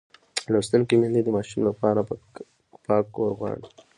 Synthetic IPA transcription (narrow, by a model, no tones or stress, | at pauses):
lost̪ənkimind̪id̪əmɑːʃumlapɑɾa | pɑkːoɾɣwɑ̰ɽ